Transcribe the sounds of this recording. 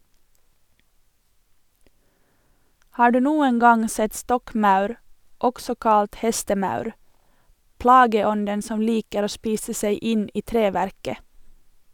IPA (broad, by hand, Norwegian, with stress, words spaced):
ˈhɑː ˈɖʉː ˈnuːən ˈɡɑŋ ˈsɛt ˈstɔkˌmɑʉɾ ˈɔɡsɔ ˈkɑlt ˈhɛstəˌmɑʉɾ ˈplɑːɡəˌɔndən ˈsɔm ˈliːkəɾ ˈoː ˈʃpiːsə ˈseɪ ˈɪn ˈiː ˈtɾeːʋæɾkə